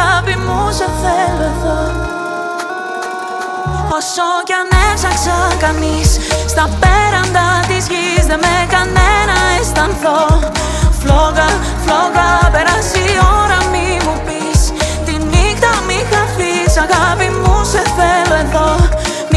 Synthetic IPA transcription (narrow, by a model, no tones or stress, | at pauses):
apimuseθeloeðo | osocɐnefsɐksɐkɐnisst̪ɐpeɾɐnd̪ɐt̪izʝizðemekɐnenɐest̪ɐnθo | floɣɐ | floɣɐpe̞ɾɐsioɾɐmi | mupist̪inikt̪ɐmixɐfisɐɣɐpimuseθeloeðo | m